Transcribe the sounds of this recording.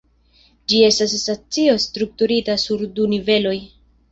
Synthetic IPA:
d͡ʒie̞stasːat͡sio̞stɾuk̚tuɾitasuɾdunive̞lo̞j

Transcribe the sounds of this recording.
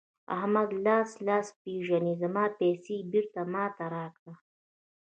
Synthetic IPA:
ɐ̰ɦmɐd̪laːslaːspiːʒɐnizɐmaːpɛːsiːbiɾt̪amaːt̪ɐɾaːkd̪a

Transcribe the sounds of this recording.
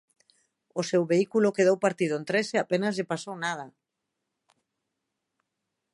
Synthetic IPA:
ʊsewβeikulʊkeð̞owpaɾt̪iðʊent̪ɾeseapenazʎepasownað̞a

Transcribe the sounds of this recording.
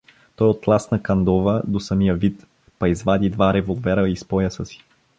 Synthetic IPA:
t̪ɔjot̪lˠasnɐkɐnd̪ɔvəd̪osəmijəvit̪ | pɐizvad̪id̪vaɾɛvolˠvɛɾəispɔjəsəsi̥

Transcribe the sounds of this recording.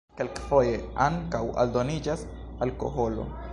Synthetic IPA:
kelkfo̞je̞aŋkawa̰ldo̞nid͡ʒas | alko̞̰ɦo̞lo̞̰

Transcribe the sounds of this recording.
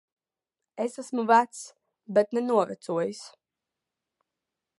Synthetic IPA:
esæsmuvæt̪s | bet̪nɛnuɔvɛ̰t̪suɔjis

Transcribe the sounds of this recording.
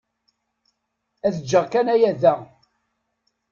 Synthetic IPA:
æðəd͡ʒːəʁkænæjæðæ

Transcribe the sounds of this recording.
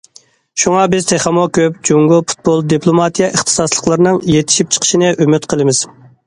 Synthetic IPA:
ʃuŋɑbɪzt̪ʰeχɑmokʲʰøp̚d͡ʒuŋɡʊpʰu̥t̪̚bolˠd̪ipʰlˠomɑt̪ʰijɛʔəχt̪ʰɨ̥sɑslˠəqlˠəɾnɨŋjet̪ʰɪ̥ʃip̚t͡ʃʰə̥qʰə̥ʃinɨʔymyt̪qʰəlˠɨmɪz̥

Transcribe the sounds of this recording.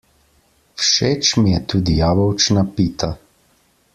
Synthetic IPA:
fʃeːt͡ʃmijɛt̪uːd̪ijaːbɔwt͡ʃnapiːt̪a

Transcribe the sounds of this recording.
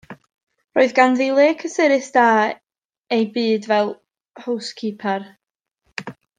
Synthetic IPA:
roːɨðɡanðilˠeːkʰəsɪɾɨθd̥aː | ejbɨːdvɛlˠ | howskʰipʰar

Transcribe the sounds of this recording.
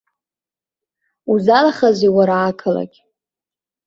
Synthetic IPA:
uzalaχaziwaɾaːkʰala̰kʲʼ

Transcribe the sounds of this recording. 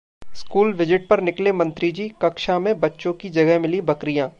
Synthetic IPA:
skuːlʋɪd͡ʒɪʈ̚pɐɾnɪklemɐ̃nt̪ɾid͡ʒiːkɐkʃamẽbɐtːʃõkid͡ʒɐɡəɦmɪlibɐkɾijãː

